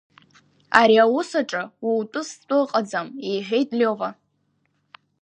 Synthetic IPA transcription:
aɾiawʊsaʈ͡ʂʼɨwiwtʷʼʊstʷʼʊqʼad͡zamejħʷᶣe̞jtʼlʲova

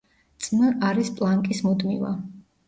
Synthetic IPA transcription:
t̪sʼməaɾispʼlˠaŋkʼismud̪mḭva̰

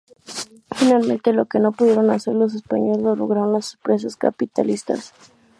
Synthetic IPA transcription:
finalmẽnt̪e̞lo̞ke̞no̞puðjeɾo̞nase̞ɾlos̬espaɲolezlolo̰ɣɾaɾonlasupɾes̬aska̰pit̪a̰list̪a̰s

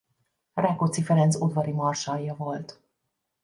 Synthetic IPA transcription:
rakot̪sifɛɾɛnt̪sod̪vɒɾimɒrʃɒjːɒvo̞lt̪

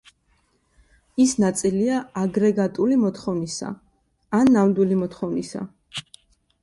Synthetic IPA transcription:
isnat̪sʼiliaaɡɾɛɡat̪ʼulimɔt̪ʰχɔvnisa̰ː | nːamd̪wilimɔt̪χɔvnisa̰

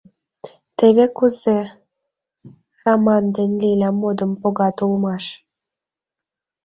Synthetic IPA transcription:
t̪eβekuze | rɑmɑnd̪enlilʲæmːod̪əmpoɣɑt̪ulmɑʃ

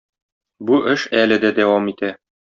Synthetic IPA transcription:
buʔɘʃælɘ̆d̪æd̪æwɑmit̪æ

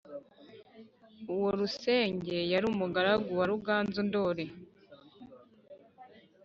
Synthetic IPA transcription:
uwo̞ɾuse̞ːɲɟe̞jaɾuːmuɡaɾaɡuwaɾuɡaːnzundo̞ːɾe̞

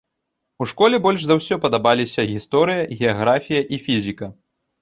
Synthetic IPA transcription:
uʂkɔlʲɛbɔlʲʐzɐwsʲɔpɐd̪abalʲisʲɐɣʲist̪ɔɾɨjɐɣʲɛaɣɾafʲijɐʔifʲizʲikɐ

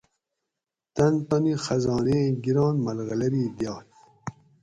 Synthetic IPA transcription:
t̪ant̪ɔnixɐzɑːneɡiɾɑːnmɐlɣɐlɐɾiːd̪ijɑːt̪

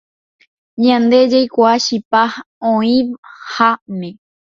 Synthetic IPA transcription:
ɲãnd̪e̞d͡ʒajkʷaʃipah | õĩʋhamẽ

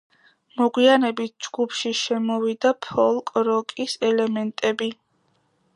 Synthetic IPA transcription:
mɔɡwianɛbit̪̚ʰd͡ʒɡ̥upʰʃiʃɛmɔvid̪apʰɔlˠkʼɾɔkʼisɛlɛmɛnt̪ʼɛbi

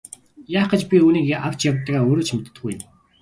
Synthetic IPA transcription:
jaːχə̆t͡ɕpʲiuːniːkːʔaw̥t͡ɕʰjawt̪ːaːɣaːoːɾoːt͡ɕʰmet̪ːɘɡuj̆n

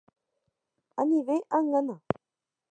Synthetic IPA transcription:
aniveʔaŋːana

